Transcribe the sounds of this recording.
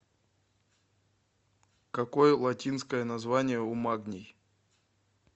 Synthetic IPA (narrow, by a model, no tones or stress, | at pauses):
kɐkojəlˠɐtʲinskəjənɐzvanʲɪjəʊmaɡnʲɪj